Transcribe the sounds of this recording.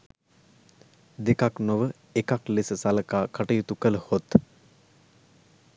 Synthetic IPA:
d̪ekaknoʋə | ekaklesəsaləkaːkʰaʈəjut̪ukələhot̪

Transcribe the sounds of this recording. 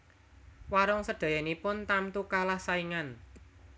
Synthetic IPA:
waɾɔŋsəɖ̪̥ä̤janipʊnt̪amt̪ukalahsaiŋan

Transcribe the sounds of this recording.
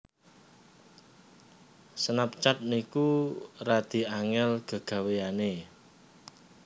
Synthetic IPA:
sənap̚t͡ʃat̪̚nikurad̪̥i̤aŋɛlɡ̥ə̤ɡ̥a̤wejane

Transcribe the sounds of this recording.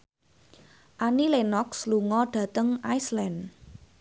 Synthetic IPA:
ʔanilenɔksluŋɔɖ̥ä̤t̪əŋʔajslɛn

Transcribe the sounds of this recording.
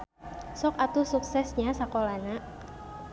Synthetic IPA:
sɔkat̪usuksɛsɲasakolana

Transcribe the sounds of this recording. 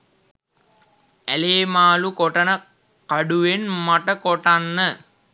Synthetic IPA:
æleːmaːlukoʈənə | kaɖuʋenmaʈəkoʈanːə

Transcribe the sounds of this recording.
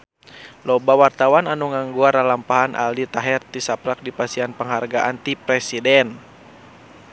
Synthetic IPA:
lɔbawart̪awananuŋaŋɡuaɾalampaɦanʔa̰ldit̪aɦɛrt̪isapɾak̚dipasianpəŋɦarɡaʔant̪ipɾɛsidɛn

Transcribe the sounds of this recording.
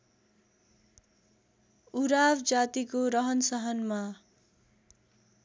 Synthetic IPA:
uɾabd͡zat̪ikoɾʌɦʌnsʌɦʌnma

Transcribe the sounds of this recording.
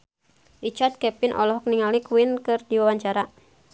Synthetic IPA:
rit͡ʃard̪̚kɛpinʔɔ̰lɔɦɔk̚niŋalikwinkɨrdiwawaɲt͡ʃaɾa

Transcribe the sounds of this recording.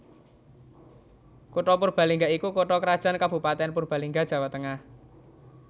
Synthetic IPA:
kuʈɔpurb̥a̤liŋɡaikukoʈɔkəɾad̥ʒ̥a̤nkab̥ṳpat̪ɛnpurb̥a̤liŋɡḁʒ̥ä̤wat̪əŋah

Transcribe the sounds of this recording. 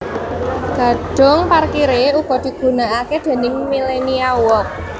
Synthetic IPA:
ɡ̥a̤ɖ̥ʊ̤ŋparkiɾeuɡ̥ɔ̤d̪̥i̤ɡ̥ṳnaʔaked̪̥e̤nɪŋmileniawɔk̚

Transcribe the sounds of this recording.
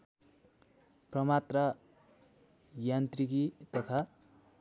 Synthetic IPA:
prʌmat̪ra | jant̪rikit̪ʌt̪ʰa

